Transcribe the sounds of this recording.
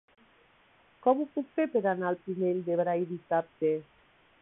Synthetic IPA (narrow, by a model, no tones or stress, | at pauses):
kɔmupukt̪epeɾanalpimend̪eβɾajðit̪at̪e